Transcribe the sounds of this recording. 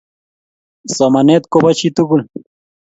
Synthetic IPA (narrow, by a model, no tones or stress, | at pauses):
somanet̪kobat͡ʃit̪ukul